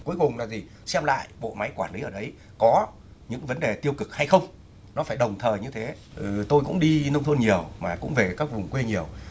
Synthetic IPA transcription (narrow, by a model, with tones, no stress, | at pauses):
ku˨˦əjkʊ˨˩ŋ͡mlaː˨˩t̪ʰi˨˩ | sɛ˧mla̰ː˧˨jɓo̰˧˨ma˨˦jkwaː˧˩nli˨˦ʔəː˧˩ɗə˨˦j | kɔ˨˦ | ɲɨ̰˧˥ŋvə˨˦nɗe˨˩t̪i˧əwkɨ˨˩k̚ha˧jxə˧wŋ͡m | nɔ˨˦faː˧˩jɗə˨˩wŋ͡mt̪ʰəː˨˩jɲɨ˧t̪ʰe˨˦ʔɨː˨˩t̪o˧jkʊ̰˧˥ŋ͡mɗi˧nə˧wŋ͡mt̪ʰə˧nɲi˨˩əwmaː˨˩kʊ̰˧˥ŋ͡mve˨˩kaː˦˥k̚vʊ˨˩ŋ͡mkwe˧ɲi˨˩əw